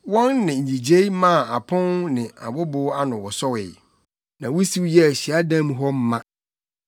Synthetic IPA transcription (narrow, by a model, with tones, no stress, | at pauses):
wɔ̃˦nːɪ̃˨ɲ̩˨i˨d͡ʑe˦i˦mã˦˨a˨pʰʊ̃˦nnɪ̃˨a̰˨bʊ˦bʊ˦a˦nʊ̃˨wɔ˨sɔ˦wɪ˨ | nã˨wʊ˦si˦wjɛ˦æ˨ɕi˨a˦dã˦mɦɔ˦m̩˦mã˦